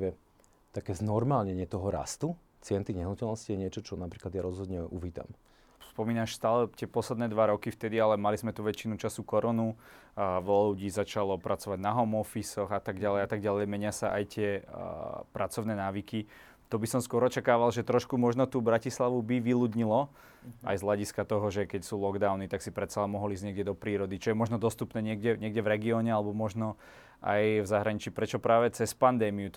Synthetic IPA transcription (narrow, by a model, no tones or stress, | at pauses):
ʋɛ | t̪akɛːznɔɾmaːlɲɛɲɪɛt̪ɔɦɔɾa̰st̪u | t͡sɪɛnt̪iɣɲɛɦnɔcɛlnɔscijɛɲɪɛt͡ʃɔt͡ʃɔnapɾiːklad̪jaɾɔzɦɔd̪ɲɛuʋiːt̪a̰m | spɔmiːnaːʃst̪aːlɛt̪ɪɛpɔslɛd̪nɛːd̪ʋaɾɔkift̪ɛd̪ialɛmalizmɛt̪uʋɛt͡ʃinut͡ʃasukɔɾɔnu | ʋlɔluɟiːzat͡ʃalɔpɾʔat͡sɔʋaɟnaɦɔmɔfisɔɣat̪aɡɟalɛjat̪aɡ̚ɟalɛjmɛɲɪasaʔa̰jt̪ɪɛ | pɾat͡sɔʊnɛːnaːʋiki | t̪ɔbisɔmskʊɔɾɔt͡ʃakaːʋalʒɛt̪ɾɔʃkumɔʒnɔt̪uːbɾacislaʋubiʋiluːd̪ɲilɔ | a̰jzɦlaɟiskat̪ɔɦɔʒɛkɛcsuːlɔɡd̪aʊnit̪aksipɾɛt̪salɛnmɔɦɔlizɟɲɛɡɟɛd̪ɔpɾiːɾɔd̪it͡ʃɔjɛmɔʒnɔd̪ɔst̪upnɛːɲɪɛɡɟɛɲɪɛɡɟɛvɾɛɡiɔːɲɛalɛbɔmɔʒnɔ | a̰jvzaɦɾaɲit͡ʃiːpɾɛt͡ʃɔpɾaːʋɛt͡sɛspand̪ɛːmiu